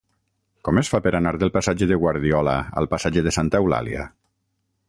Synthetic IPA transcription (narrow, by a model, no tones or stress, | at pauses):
kɔmesfapeɾanaɾðəlˠpasad͡ʒeðəɣwaɾðiɔla̰a̰lˠpasad͡ʒeðəsant̪aɛwla̰lja̰